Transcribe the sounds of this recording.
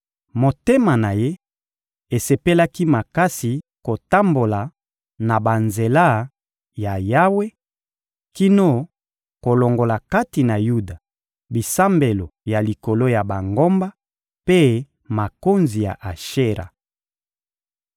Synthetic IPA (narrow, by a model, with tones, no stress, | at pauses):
mo˨te˦ma˨na˨je˦ | e˨se˨pe˦la˦ki˦ma˨ka˦si˨ko˨ta˦mbo˨la˨ | na˨ba˨nze˨la˦ | ja˨ja˦we˦ | ki˦no˦ | ko˨lo˨ŋɡo˨la˨ka˦ti˨na˨ju˦da˨ | bi˨sa˦mbe˨lo˨ja˨li˨ko˨lo˦ja˨ba˨ŋɡo˦mba˦ | pe˦ | ma˨ko˦nzi˨ja̰˨ʔa˨ʃe˦ʁa̰˨